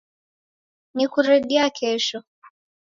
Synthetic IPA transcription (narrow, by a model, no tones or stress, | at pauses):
nikuɾɛɠɛakʰɛʃɔ